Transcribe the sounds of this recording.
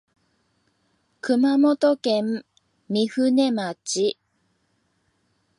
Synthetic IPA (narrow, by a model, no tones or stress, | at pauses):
kɯ̟mamo̞t̪okẽ̞mːʲ | iɸɯ̟ne̞mat͡ɕi